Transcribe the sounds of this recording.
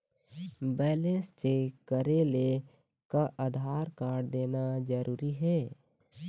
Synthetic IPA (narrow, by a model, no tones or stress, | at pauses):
bɛːlẽnst͡ʃekəɾele | kaʔad̪ʱaːɾkaːɾd̪eːnad͡ʒəɾuːɾiɦɛː